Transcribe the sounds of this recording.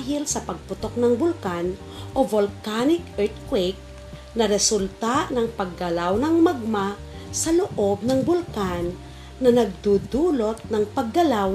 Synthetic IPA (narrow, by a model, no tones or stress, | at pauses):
ɦɪlsɐpɐɡ̚pʊt̪ok̚nɐŋbʊlkan | ʔovolkanɪkʔɛɹt̪̚kwɪk̚ | nɐɾɛsʊlt̪aʔnɐŋpɐɡːɐlawnɐŋmɐɡ̚ma | sɐloʔob̚nɐŋbʊlkanː | ɐnɐɡ̚d̪ud̪uːlot̪̚nɐŋpɐɡːɐlaw